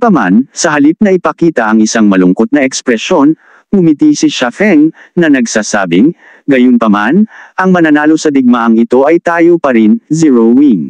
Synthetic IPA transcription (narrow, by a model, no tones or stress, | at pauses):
pɐma̰nsɐɦɐlip̚nɐʔɪpɐkiːt̪ɐʔɐŋɪsaŋmɐlʊŋko̞t̪̚nɐʔɛkspɾɛso̞n | bʊmɪt̪isiʃɐfɛŋnɐnɐɡsasa̰ːbɪŋ | ɡɐjonpɐmanʔɐŋmɐnɐnaːlo̞sɐd̪ɪɡ̚maʔɐŋɪt̪o̞ʔɐjt̪aːjo̞pɐɾinziɹowiŋ